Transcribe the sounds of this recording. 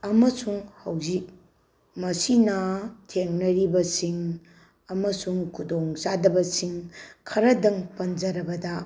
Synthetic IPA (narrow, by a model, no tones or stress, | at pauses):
ɐmɐsuŋhɐwzik̚ | mɐsinɐtʰeŋnɐɾibɐsiŋ | ɐmɐsuŋkʰudoŋsadɐbɐsiŋkʰɐɾɐdɐŋpɐnd͡ʒɐɾɐbɐdɐ